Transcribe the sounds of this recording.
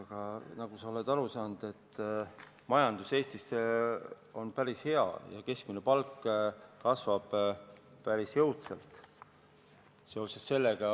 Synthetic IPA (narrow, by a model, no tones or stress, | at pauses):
ɡ̥ɑnɑɡ̥usɑo̞le̞d̪ɑɾusɑːnd̪̥e̞t̪ː | mɑjɑnd̪use̞ːst̪ise | o̞npæɾishe̞ɑ̰jɑ̰ke̞skmine̞pɑlkːkɑsvɑb̥pæɾisjɤwt̪selt̪ˑ | seosest̪se̞lːeɡ̥ɑ